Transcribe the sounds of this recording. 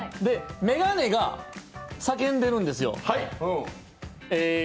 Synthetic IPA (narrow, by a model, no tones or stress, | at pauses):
d̪e̞me̞ɡane̞ɡa | sak̬ẽ̞nd̪e̞ɾɯ̟̃nd̪e̞sɨjo̞̰hai | e